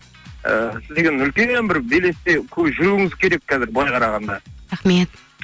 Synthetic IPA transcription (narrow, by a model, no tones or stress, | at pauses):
ə̰sɪzd̪eɡʲenʏlkʲenbɪɾbejle̞st̪ekʲʰɵʒʊɾuɪŋɪzkʲʰe̞ɾe̞k̚kɑzɪɾblˠɑjqʰɑɾɑʁɑnd̪ɑɾaχmet̪